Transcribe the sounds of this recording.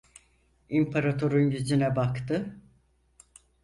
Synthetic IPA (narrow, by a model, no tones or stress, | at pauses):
impʰaɾat̪ʰo̞ɾunɟyd͡ʒinɛbakt̪ʰɯ